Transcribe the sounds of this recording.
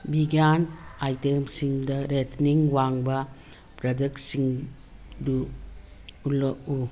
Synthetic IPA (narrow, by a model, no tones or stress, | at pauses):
biɡjanajtemsiŋdɐɾetʰniŋwaŋbɐ | pɾɐdɐksiŋ | duː | lou